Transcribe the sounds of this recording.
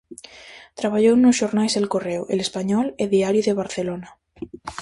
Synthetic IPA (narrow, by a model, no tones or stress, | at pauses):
t̪ɾaβaʎownʊsʃoɾnajzðelkorewʔḛlespaɲɔleðiaɾjuðeβ̞aɾθelona